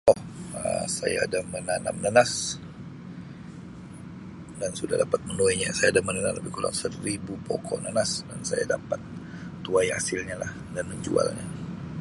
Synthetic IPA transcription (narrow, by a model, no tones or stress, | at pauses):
ʔɔhəsajaːdamənana̰mnanas | dansudahdapat̪̚mənoiɲa̰sajaːdamənanamləbɪkola̰ŋsəribupokʰɔnanasdansaja̰dapat̪̚ː | uaja̰sɪlɲalah | danməɲd͡ʒua̰lɲa̰